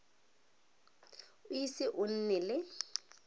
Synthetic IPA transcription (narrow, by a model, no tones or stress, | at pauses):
ʊisɪʔʊn̩nɛlɪ